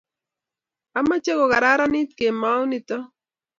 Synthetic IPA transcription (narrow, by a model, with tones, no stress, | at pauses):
a˦ma˦t͡ʃe˦ɣo˨ɣa˨ɾa˦ɾa˦ni˦t̪ke˨ma˦wni˨t̪ɔ˦